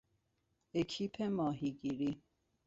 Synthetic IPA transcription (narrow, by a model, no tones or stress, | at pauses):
ekʰipʰemɔɦiɡiɾi